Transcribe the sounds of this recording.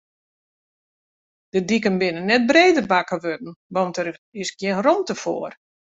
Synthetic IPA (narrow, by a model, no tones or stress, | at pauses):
d̥ədikənbɪnənːɛt̚breːdərbakəʋødn̩ʋɔntəɾɪsɡ̥jɪnrɔmtəfo̰ər